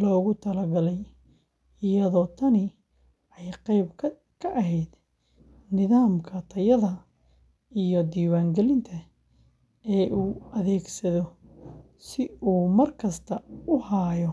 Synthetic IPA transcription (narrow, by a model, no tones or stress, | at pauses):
lɔːɣʊt̪ʰɐlɐɡɐlɛj | ɪjɐðɔːt̪ʰɐnɪ | ɛjqɛjbʰ | kʰɐʔɐɦɛjd̪̥ | nɪðaːmkʰɐt̪ʰɐjɐðɐ | ijɔd̪iːwaːŋɡɛlɪnt̪ʰɐ | ɛːʔuːʔɐðɛːɡsɐðɔ | sɪuːmɐrkʰɐst̪ʰɐʊhaːjɔ